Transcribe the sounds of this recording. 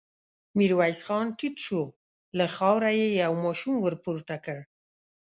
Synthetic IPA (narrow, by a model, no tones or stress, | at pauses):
miɾwajsxɑnʈitʃo | laxɑwɾajejawmɑʃumwəɾpuɾt̪akəɽ